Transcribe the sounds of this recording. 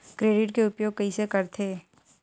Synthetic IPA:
kɾeːɖɪʈkeʊpjoːɡ̚kɐisekɐɾt̪ʰeː

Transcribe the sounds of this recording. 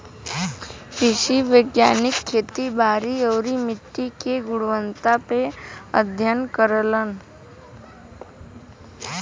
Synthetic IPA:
kɾɪʃiʋəɡjaːnɪkʰːeːt̪ibʱaːɾiɔːɾimɪt̪ːikeɡʊɽʋə̃nt̪apeəd̪ʱjənkəɾələn

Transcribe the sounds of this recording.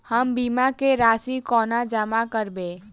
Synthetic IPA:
həmbimakeɾaːsikɔːnad͡ʒəmakəɾbe

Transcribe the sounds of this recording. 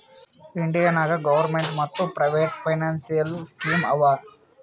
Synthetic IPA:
iɳɖijɐnaːɡɐɡɐʋɐɾmeɳʈmɐt̪ːupɾɐjʋeːʈpʰɐjnaːnsijɐlskiːmɐʋaː

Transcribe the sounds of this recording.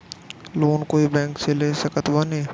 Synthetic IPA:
loːnkoːibɛ̃ːŋkseleːsɐkət̪wanẽː

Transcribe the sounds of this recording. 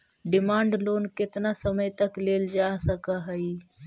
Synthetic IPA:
ɖɪmaːɳɖloːnkɪt̪nasɐməjt̪ɐkleːld͡ʒaːsɐkaɦəi

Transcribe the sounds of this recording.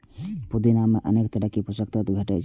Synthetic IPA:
pud̪inameʔənekt̪əɾakipɾəsək̚t̪ət̪bʱeʈɛd͡ʒ

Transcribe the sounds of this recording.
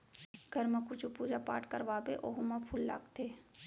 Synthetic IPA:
ɡʱɐɾmẽkʊt͡ʃupuːd͡ʒapa̰ːʈkəɾʋaːbeʔoɦumãpʰulːa̰ːkt̪ʰeː

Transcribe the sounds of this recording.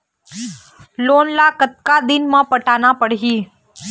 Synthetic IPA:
lonlakət̪̚kad̪ɪnmãpəʈanapəɽ̤ɦi

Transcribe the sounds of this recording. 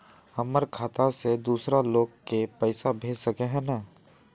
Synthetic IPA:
ɐməɾkʰaːt̪ased̪uːsɾaloːɡkepɛɪsabʱeːd͡ʒsəkeɦɛ̃na

